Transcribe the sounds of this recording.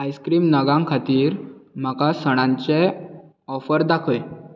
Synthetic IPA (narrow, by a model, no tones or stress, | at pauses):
ajskɾiːmnəɡãŋkʰat̪iːɾm̤akasəɽ̃ãɲt͡ɕe | ɔfəɾd̪akʰe